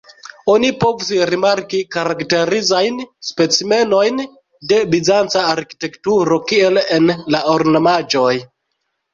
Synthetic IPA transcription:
onipo̞vusɾimaɾkikaɾakte̞ɾizajnspe̞t͡sime̞no̞jn | de̞bizant͡saːɾki̥te̞ktuɾo̞kie̞lenlaoɾnomad͡ʒo̞j

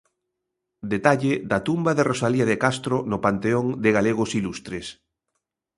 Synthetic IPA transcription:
d̪et̪aʎɪd̪at̪umbaðerʔosaliaðekast̪ɾonopant̪eoŋd̪ɪɣaleɣ̞osilust̪ɾes

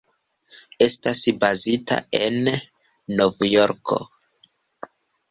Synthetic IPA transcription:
e̞stasbazita̰e̞nː | ovjo̞ɾkʰo̞̰

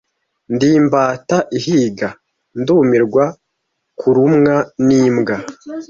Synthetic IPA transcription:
ndiːmbaːtaʔiɦiɡa | nduːmiɾɡwa | kʰuɾumŋaniːmɡa

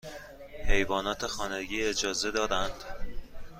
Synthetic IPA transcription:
he̞jvɒːnɒːt̪ʰexɒːneɟiːe̞d͡ʒɒːze̞d̪ɒːd̪ænd̪̥

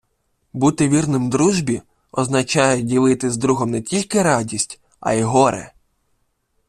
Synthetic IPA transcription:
but̪ɪʋʲirnɪmd̪ɾuʒbʲi | ɔznɐt͡ʃɑjɛdʲilˠɪt̪ɪzd̪ɾuɦɔmnɛtʲilʲkɪɾɑdʲisʲtʲ | ɐ̰iɦɔɾɛ̰

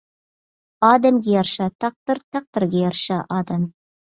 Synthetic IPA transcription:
ɑd̪æmɡʲejɑɾʃɑt̪ʰɑq̚t̪ɨɾt̪ʰɑq̚t̪ɨɾɡʲejɑɾʃɑʔɑd̪am

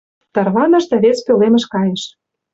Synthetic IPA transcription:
t̪ɑrβɑnɤ̆ʃd̪æβespølemə̆ʃkɑjĕʃ

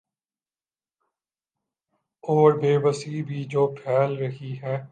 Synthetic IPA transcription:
oːɾbeːbəsiːbʱiːd͡ʒoːpʰɛːlɾəɦiɦɛː

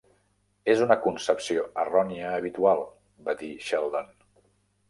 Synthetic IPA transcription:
ezunəkunsəpsioərɔniəːβit̪ualˠ | bad̪iʃɛlˠd̪on

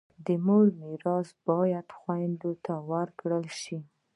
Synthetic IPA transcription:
d̪əmoɽmɪɾɑsbɑjad̪xwajnd̪ot̪awəɾkɽəlʃi

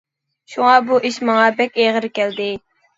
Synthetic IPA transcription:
ʃuŋɑbuʔiʃmɑŋɑbɛkʲeʁəɾkʲʰɛld̪ɪ

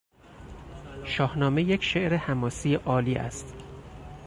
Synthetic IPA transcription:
ʃɒːhnɒːme̞jecʰʃe̞ʔɾehæmɒːsiːjeʔɒːliːʔæ̰st̪

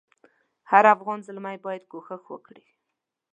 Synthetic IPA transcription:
haɾafɣɑnzəlmajbɑjad̪̚ɡoxəxwə̰kɽi

